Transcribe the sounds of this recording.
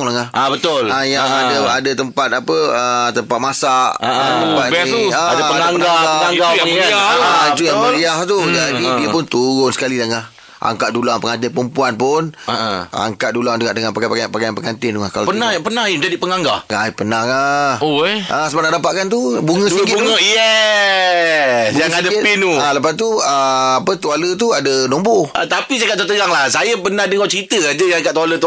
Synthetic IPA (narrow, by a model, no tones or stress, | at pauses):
ŋlaŋahʔabət̪ʊlajaŋadaadət̪əmpat̪apəət̪əmpat̪̚masaʔaəmpat̪aadpəəŋaŋəɡaɡaaŋɡaahat̪uaəliaht̪ud͡ʒadidiəpʊnt̪uɾʊnsə̥kalilaŋah | ʔa̰ŋkaʔdulaŋpəŋant̪̬ɪpəmpuanpʊnəʔa̰ŋkaʔ̚dulaŋduɡaʔdəŋanpakapakaapakajanpəŋant̪ɪnduŋahkalopənahpənahjiməd͡ʒadiʔpəŋaŋɡahŋajpənahahoʔasəbanadapaʔkant̪̬ubuŋə̃siɡɪuŋəjɛ | bjaŋadapinualəpast̪uəapət̪ualət̪̬uadənɔmboʔat̪apisakaʔt̪ot̪əɡaŋlahsajəpənadəŋɔt͡ʃəɾit̪əad͡ʒəjãkaʔt̪ualət̪u